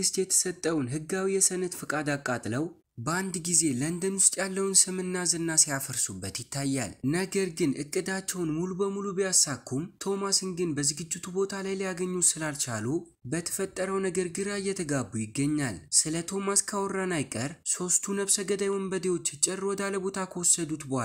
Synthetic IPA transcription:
ɨst̪jɛt̪ʰə̥sət̪ʼːəwnɦɨɡːawijɛsənɨt̪fɨkʼad̪akʼːat̪ʼləw | bəand̪ɡize̞lənd̪ənwʊst̪ʼjalːəwnsɨmɨnːazɨnːasijafəɾsubːət̪jɪt̪ʰːajːa̰lnəɡəɾɡɨnʔɨkʼːɨd̪at͡ʃːɛwnmulubəmulubijasakʰːumt̪ʰo̞masɨnɡɨnbəzɨɡɨd͡ʒːɪt̪ʰubo̞t̪ʰalajlijaɡəɲːusɨlalt͡ʃalu | bət̪ʰə̥fət̪ʼːəɾəwnəɡəɾɡɨɾajːɛt̪ʰəɡabːujɪɡːəɲːalsɨlət̪ʰo̞maskʰawɔɾːanajkʼəɾso̞st̪ʰunəβsəɡəd̪ajwɔmbəd̪ewo̞t͡ʃːt͡ʃʼɛrwɔd̪aləbo̞t̪ʰakʰəwɔsːəd̪ut̪bəa

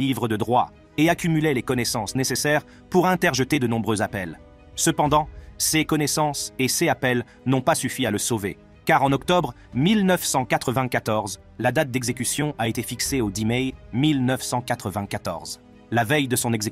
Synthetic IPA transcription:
ivʁəd̪əd̪ʁwa | eakʲymylɛlekɔnesɑ̃snesesɛʁ | puʁɛ̃t̪ɛʁʒət̪ed̪ənɔ̃bʁøzapɛl | səpɑ̃d̪ɑ̃sekɔnesɑ̃seseapɛl | nɔ̃pasyfialəsovḛ | kaʁɑ̃nɔkt̪ɔbʁ | milnəfsɑ̃kat̪χəvɛ̃kat̪ɔʁz | lad̪at̪̚d̪ɛɡzekʲysjɔ̃ʔaet̪efikseod̪imɛjmilnəfsɑ̃kat̪χəvɛ̃kat̪ɔ̰ʁz | lavɛjd̪əsɔ̃nɛɡze

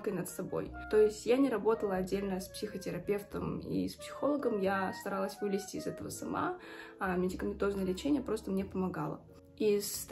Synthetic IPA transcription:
kəjnət̪sɐbo̞̰jt̪o̞ɪsʲtʲjanʲɪɾɐbo̞t̪əlˠəɐdʲːelʲnəspsʲɪxətʲɪɾɐpʲe̞ft̪əmḭspsʲɪ̥xo̞lˠəɡəmjast̪ɐɾalˠəsʲvɨlʲɪsʲtʲɪːzɛt̪əvəsɐma̰mʲɪdʲɪkəmʲɪnt̪o̞znəjəlʲɪt͡ɕenʲɪjəpɾo̞st̪əmnʲepəmɐɡalˠə̰ | is

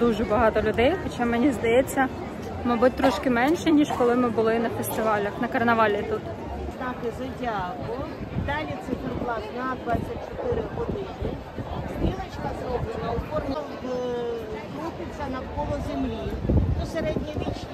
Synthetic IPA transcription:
d̪uʒɛbɐɦɑt̪ɔlʲʊd̪ɛjxɔt͡ʃɑmɛnʲizd̪ɐjɛt͡sʲːɐ | mɐjbut̚ʲt̪ɾɔʃkɪmɛnʲʃɛnʲiʃkɔlˠɪmɪbʊlˠɪnɐfest̪ɪʋɑlʲɐxnɐkɐrnɐʋɑlʲit̪ut̪ | znɑt̪ɪzɐdʲakʊjʊd̪ɑlʲit̪sɪfrblˠɑznad̪ʋɑt͡sʲːɐt̚ʲt͡ʃɔt̪ɪɾɪɦɔd̪ɪnɪ | sɾʲilɐt͡ʃkɐzɔbɪnˠɐʊpɔrnɐd | kɾupɪt͡sʲːɐnɐwkɔlˠɔzemlʲit̪ɔseɾɛdʲnʲiʋʲit͡ʃ

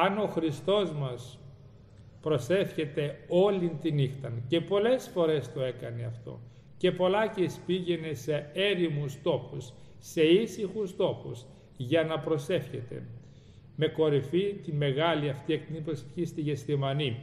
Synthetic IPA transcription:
ɐno̞xɾist̪o̞zmɐs | pɾo̞se̞fçe̞t̪e̞o̞lint̪inixt̪ɐnce̞po̞le̞sfo̞ɾe̞st̪o̞e̞kɐne̞ɐft̪o̞̰ | ce̞po̞lɐcespiʝe̞ne̞se̞e̞ɾimust̪o̞xusː | e̞isixust̪o̞xus | ʝɐnɐpɾo̞se̞fçe̞t̪e̞̰ | me̞ko̞ɾifit̪ime̞ɣɐliɐft̪ieknipɾose̥fçist̪iʝest̪imɐni

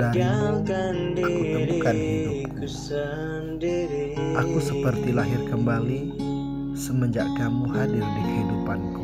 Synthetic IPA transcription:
da | akut̪əmukanɦidu | ʔakusəpərt̪ilaɦɪrkəmbali | səməɲd͡ʒa̰ʔkamuhadɪrdikəhidupanku

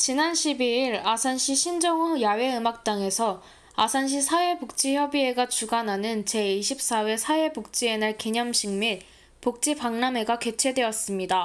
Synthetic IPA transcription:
t͡ɕinanɕʰibiiɾasʰanɕʰiɕʰind͡ʑʌŋujawe̞ɯmak̚t͈aŋe̞sʰʌ | asʰanɕ̬ʰisʰawe̞pok̚t͡ɕ͈içjʌbie̞ɡat͡ɕuɡanɦanɯnt͡ɕe̞iɕʰip̚s͈awesʰawepok̚t͡ɕ͈ie̞naɭkiɲʌmɕʰiŋmit | pok̚t͡ɕ͈ipaŋname̞ɡake̞t͡ɕʰe̞dwe̞ʌs͈ɯmɲida

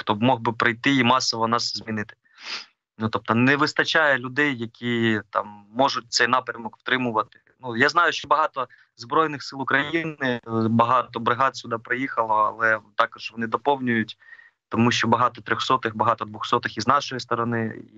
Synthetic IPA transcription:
xt̪ɔbmɔɦbɪpɾɪjt̪ɪimɑsɔʋɔnɑszʲmʲinɪt̪ɪ̥ | nut̪ɔp̚t̪ɔnɛʋɪst̪ɐt͡ʃajɛlʲʊd̪ɛjːɐkʲʰit̪ɑ̰mːɔʒʊt̚ʲt̪sɛjnɑpɾʲɐmɔkw̥t̪ɾɪmʊʋɐt̪ɪ̥ | nujaznɑjʊʃt͡ʃɔbɐɦɑt̪ɔ | zbɾɔjnɪxsɪlˠʊkɾɐjinɪbɐɦɑt̪ɔbɾɪɦɑt̪sʲʊd̪ɑpɾɪjixɐlˠɔɐ̰lˠɛt̪ɑkɔʒʋɔnɪd̪ɔpɔwnʲʊjʊtʲ | t̪ɔmuʃt͡ʃɔbɐɦɑt̪ɔt̪ɾʲɔxsɔt̪ɪxbɐɦɑt̪ɔd̪ʋʊxsɔt̪ɪxiznɑʃɔjist̪ɔɾɔnɪḭ

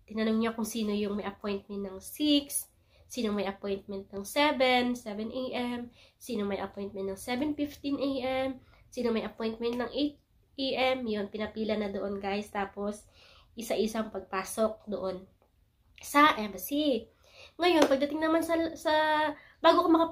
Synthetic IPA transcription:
t̪ɪnɐnoŋɲakʊŋsiːno̞jʊŋmɐjʔɐpo̞jnt̪̚mɛnt̪nɐŋsiksː | iːno̞mɐjʔɐpo̞jnt̪̚mɛnt̪̚nɐŋsɛvɛnsɛvɛnʔejʔɛmsiːnomɐjʔɐ̰pojnt̪̚mɛnt̪ːɐŋsɛvɛnfift̪inʔejʔɛm | siːnomɐjʔɐpo̞jnt̪̚mɛnt̪̚nɐŋʔejt̪̚ | ʔiʔɛmjo̞npɪnɐpiːlɐnɐd̪oʔonɡajst̪aːpo̞s | ʔɪsɐʔɪsɐŋpɐɡ̚paːso̞k̚d̪oʔo̞n | sɐʔɛbɐsi | ŋɐjo̞npɐɡ̚d̪ɐt̪ɪŋnɐmansɐsɐ | b̥aːɡokɐmɐkɐ

